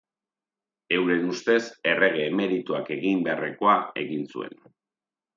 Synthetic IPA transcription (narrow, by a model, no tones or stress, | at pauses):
e̞wɾe̞nust̪e̞se̞re̞ɣ̞e̞ːme̞ɾit̪uake̞ɣimbeareko̞ae̞̰ɣinsṵe̞̰n